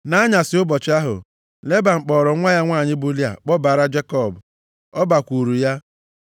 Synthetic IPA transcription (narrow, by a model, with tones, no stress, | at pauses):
na˦ɲa˨sɪ˨ʊ˦bɔ˨t͡ʃa˦ɦʊ̰˨ | le˦ba˨ŋ͡m̩˨k͡pɔː˨ɾɔ˨˦ŋʷa˦ja˦ŋʷaː˦˨ɲɪ˦bʊ˦li˦a̰˨k͡pɔ˦ba˨ɾa˦d͡ʒe˦kɔ˦˨b | ɔ˦ba˨kʷu˨ɾu˨ja˦